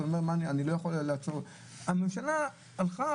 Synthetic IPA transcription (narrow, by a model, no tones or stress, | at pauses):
omeʁmanianilo̞jaχolleat͡soʁ | amemʃalaː | lχa